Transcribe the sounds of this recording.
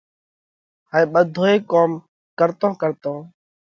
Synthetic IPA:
haĩːɓəd̪ʱoːeːkoːm | kəɾt̪õːkəɾt̪õː

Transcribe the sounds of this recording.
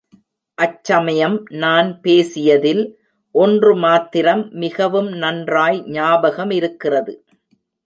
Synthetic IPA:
ʔɐt͡ʃːɐmɐjɐmnaːnpeːsɪjɐðɪl | ʔɔndrɯmaːt̪ɪɾɐmːɪɣɐʋɯmnɐndraːjɲaːbɐɣɐmɪɾɯkːɪrɐðɯ

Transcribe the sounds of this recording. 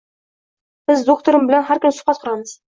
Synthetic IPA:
b̥ɘzd̪ok̚t̪oɾmbɘ̆lanɦæɾkʲɵmsʊ̥qɑt̪qʰʊ̆ɾɑməz̥

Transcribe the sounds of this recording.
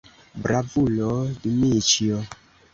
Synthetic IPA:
bɾavulɔdimit͡ʃiɔ

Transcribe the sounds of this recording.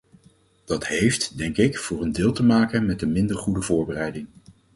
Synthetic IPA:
d̥ɑtɦejftdɛŋkɪkfʊːrəndɪːlˠtəmaːkənmɛtəmɪndəɹχudəvʊːɹbərɛjdɪŋ

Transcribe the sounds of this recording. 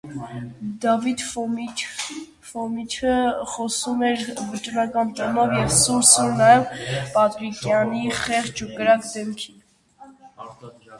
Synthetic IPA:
d̪ɑvit̪f | fɔmit͡ʃʰəχɔsumɛɾvət͡ʃʼɾɑkɑnt͡ʃɔnɔvjɛvsuɾsuɾnɑjɛvpɑt̪ɾikjɑniχɛχt͡ʃukəɾɑkd̪ɛmkʰin

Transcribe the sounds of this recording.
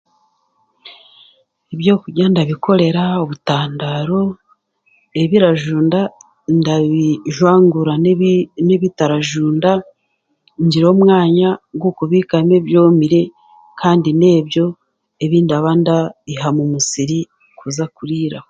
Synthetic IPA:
eβjo̞ːkuɟandaβikʰo̞ɾe̞ɾaoβutaːndaɾo̞ | e̞βiɾaʒuːnda | ndaβiʒwaːŋɡuɾaneβitaɾaʒuːnda | ɲɟiɾo̞ːmŋaːɲaɡwukuβikane̞βjo̞ːmiɾe̞ | kʰaːndine̞ːbjo̞ | eβindaβandaiɦamumusiɾi | kuzakuɾiːɾaho

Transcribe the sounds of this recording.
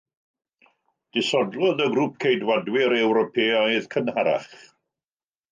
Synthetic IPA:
d̥ɪsɔdlˠɔðəɡɾuːp̚kʰejdwadwɪɾɛwɾɔpʰeajðkʰənhaɾa̰χ

